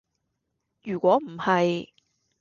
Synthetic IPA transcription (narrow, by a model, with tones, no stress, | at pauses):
jyː˨˩kʷwɔː˨˥m̩˨˩hɐ˨j